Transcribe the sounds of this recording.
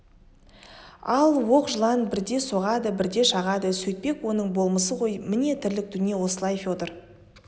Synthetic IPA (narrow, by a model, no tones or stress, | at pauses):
ɑlˠwo̞qʒəlˠɑnbɪɾd̪e̞so̞ʁɑd̪əbɪɾd̪e̞ʃɑʁɑd̪əsɵjt̪̚pe̞kwo̞nəɴbo̞lˠməsəqʰo̞jmɪne̞t̪ʰɪɾlɪk̚d̪ʏnije̞wo̞səlˠɑjfʲot̪əɾ